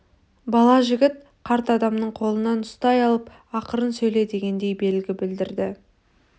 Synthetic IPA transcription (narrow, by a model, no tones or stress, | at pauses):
bɑlˠɑʒɪɡʲɪt̪̚ | qʰɑɾt̪əɑd̪ɑmnəɴqʰo̞lˠənɑnʊst̪ɑjɑlˠəp | ɑqəɾənsɵjle̞d̪e̞ɡʲe̞nd̪e̞jbe̞lɡʲɪbɪld̪ɪɾd̪ɪ